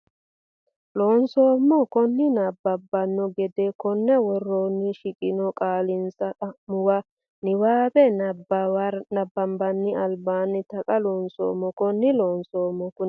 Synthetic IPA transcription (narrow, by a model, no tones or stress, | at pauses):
loːnsoːmːɔkɔnːɪnɐbːɐbːɐnːɔɡɛd̪ɛkɔnːɐwɔrːoːnːɪʃɪkʼɪnɔkʼaːlɪnsɐɐmʊwɐ | nɪwaːbɛnɐbnɐbːɐmbɐnːɪɐlbaːnːɪt̪ɐkʼɐloːnso̰ːmːɔkɔnːɪloːnsoːmːɔkʊ